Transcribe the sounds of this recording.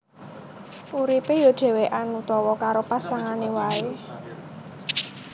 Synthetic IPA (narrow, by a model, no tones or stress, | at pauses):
ʔuɾipejoɖ̥e̤weʔanut̪ɔwɔkaɾopasaŋanewae